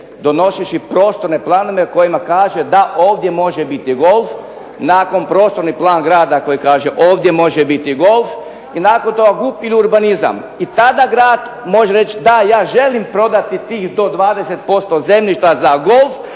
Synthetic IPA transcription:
d̪o̞no̞seʃipɾo̞ːst̪oɾne̞plˠano̞ʋeko̞jimakaːʒed̪aʔoːʋd̪je̞mo̞ʒebit̪iɡo̞lˠf | naːko̞npɾo̞ːst̪o̞ɾniplˠaːnɡɾaːd̪ako̞jikaːʒeʔo̞ːʋd̪je̞mo̞ʒebit̪iɡo̞lf | inaːko̞nt̪o̞ɡaɡupiliuɾbaniza̰m | it̪ad̪aɡɾaːd̪ | mo̞ʒeɾe̞t͡ʃd̪ajaːʒe̞limpɾo̞d̪at̪it̪iːxd̪o̞d̪ʋaːd̪eset̪̚po̞st̪o̞ze̞mlʲiʃt̪azaɡo̞lˠf

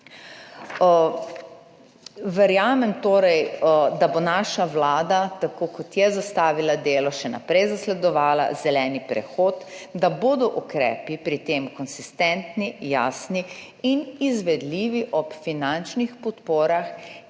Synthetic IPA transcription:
ʋɛɾjaːmɛmt̪oːɾɛjd̪abonaːʃaʋlaːd̪at̪akoːkɔt̪jɛzast̪aːʋilad̪eːlɔʃɛna̰pɾɛjzaslɛd̪ɔʋaːla̰zɛlɛːnipɾɛ̰xoːt̪d̪aboːd̪ɔʔukɾɛ̰ːpipɾit̪eːmkɔnsist̪ɛnt̪nija̰ːsni | inizʋɛd̪liːʋiʔɔpfinant͡ʃnixpɔt̪poːɾax

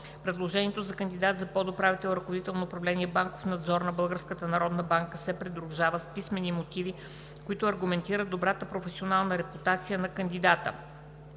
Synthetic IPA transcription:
pɾɛd̪lˠoʒɛnʲiɛt̪ozɐkənd̪id̪at̪zɐpɔd̪opɾavit̪ɛlˠɾɐkovod̪it̪ɛlˠnoʊːpɾɐvlɛniɛbaŋkofnɐd̪zɔɾnɐbɤlˠɡəɾskət̪ənɐɾɔd̪nəbaŋkəsɛpɾɛd̪ɾuʒavəspismɛnimot̪ivi | koit̪oɐɾɡʊmɛnt̪iɾəd̪obɾat̪əpɾofɛsionalˠnəɾɛput̪at̪sijənɐkɐnd̪id̪at̪ə̰

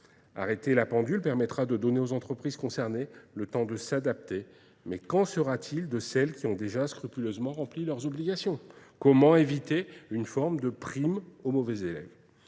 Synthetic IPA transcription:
a̰ʁet̪elapɑ̃d̪ylpɛʁmɛt̪χad̪əd̪ɔneozɑ̃t̪χəpχiz̥kɔ̃sɛʁnelət̪ɑ̃d̪əsad̪ap̚t̪e | mɛkɑ̃səʁat̪ʰild̪əsɛlkʲiɔ̃d̪eʒaskχypyløzmɑ̃ʁɑ̃plilœʁzɔbliɡasjɔ̃kɔmɑ̃evit̪eynfɔʁmd̪əpχimomɔvɛzelɛ̰v

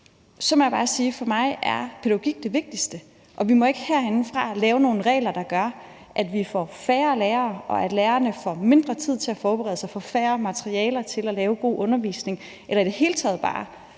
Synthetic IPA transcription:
sɒ̽mɒjäbɑ̈ːsiːfɒ̽mɑ̈ɪæɐpʰe̝ð̥æɡ̥o̝ɡ̥iɡ̥̚d̥e̝ʋe̝ɡ̥̚d̥isd̥ə | ʔɒ̽ʋimɒ̽e̝ɡ̥əheɐ̰e̝nn̩fʁɑ̈lɛːʊno̝ːn̩ʁɛ̰ːlɐd̥ɑ̈ɡ̥ɶɐ | ʔæd̥ʋifɒfæːɐleːɐʔɒ̽æd̥læːɐnəfɒme̝nd̥ʁɐt͡sʰið̰ˠt͡sʰe̝æfɒːb̥eʁɛ̰ːðˠsɑ̈ɪfɒfæːɐmæt͡sʰɐʁiɛːlɐt͡sʰe̝lælɛːʊɡ̥o̝̰ːʔɔ̽nɐʋḭːsne̝ŋ | ʔelɐid̥ehe̝ːlət͡sʰɛ̰ːð̞̩ˠb̥ɑ̰̈ː

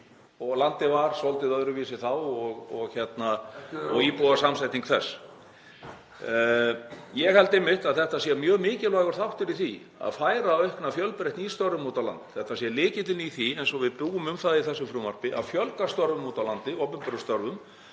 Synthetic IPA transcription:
ɔɣlant̪ɪvaɾ̥sɔlt̪ɪðœðɾʏviːsɪθawɔɣɔɣçɛt̪naɔɣipuðasamsajt̪niŋkθɛsː | jɛɣhɛlt̪ɪmːɪht̪aðθɛht̪asiɛamjœːɣmɪːcɪlvaːɣaɾ̥θawht̪ɪɾiθi | a̰ðfaːjɾaːœhknafjœlpɾɛjht̪nist̪œɾvʏmːuːt̪awla̰nt̪θɛht̪asjɛlɪːcɪt̪lɪniθiɛnsɔvɪðpuːɣʏmʏmθaðiθɛsːʏmfɾʏːmar̥pɪʔa̰ðfjœlkast̪œɾvʏmuːt̪awlant̪ɪɔpɪmpʏɾʏst̪œɾvʏm

